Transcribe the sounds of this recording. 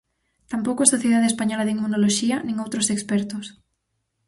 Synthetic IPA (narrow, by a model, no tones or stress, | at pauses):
t̪ampowkʊɛsoθjeðaðespaɲɔlɐðiŋmunoloʃiɐnĩŋowt̪ɾosekspɛɾt̪ʊs